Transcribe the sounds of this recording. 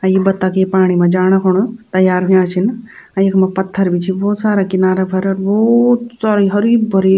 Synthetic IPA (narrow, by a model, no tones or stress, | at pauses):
ajibɐt̪ːakepaːɽ̃imed͡ʒaːɽ̃əkʰoɽ̃ot̪əjaːɾɦujãt͡ʃʰin | ajekmepət̪ʰːəɾbʱit͡ʃʰibɔːt̪saːɾakinaːɾebʱəɾəɾbɔt̪saɾɦəɾiːbːəɾi